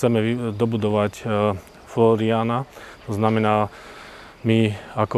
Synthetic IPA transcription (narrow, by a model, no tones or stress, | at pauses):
t͡sɛmɛʋd̪ɔbud̪ɔʋac | flɔɾiaːnat̪ɔznamɛnaː | miakɔ